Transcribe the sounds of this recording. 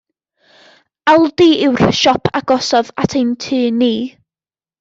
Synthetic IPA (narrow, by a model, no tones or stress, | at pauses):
alˠdiɪwr̥ʃɔpʰaɡ̥ɔsɔðatʰejntʰɨːniː